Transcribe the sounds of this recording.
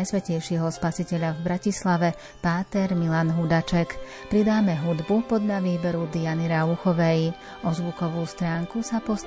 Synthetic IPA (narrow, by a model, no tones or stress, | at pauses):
jsʋɛcɛjʃiɦɔspasicɛʎavbɾacislaʋɛ | paːt̪ɛɾmilanɦud̪at͡ʃɛk | pɾid̪aːmɛɦud̪bupɔd̪laʋiːbɛɾud̪ianiɾauxɔʋɛj | ʔɔzʋukɔʋuːst̪ɾaːŋkusapɔs